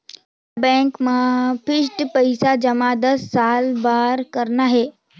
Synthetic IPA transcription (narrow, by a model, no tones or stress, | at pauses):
bɛ̃ŋkmãpʰɪsʈpəɪsad͡ʒɐmad̪əsːaːlbaːɾkəɾnaɦeː